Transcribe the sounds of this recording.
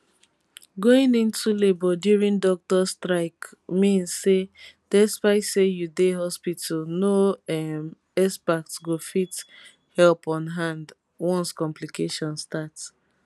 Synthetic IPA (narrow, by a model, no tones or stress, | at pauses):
ɡoĩnĩntulebɔduɹĩndɔk̚tɔstɹaɪkmĩnsːed̥ɛspaɪtsejudeɦɔspitʰalnoɛm | ɛspak̚tɡofit | hɛlpɔ̃nɦãnd | wɔ̃nskɔ̃mplikeʃɔ̃nstats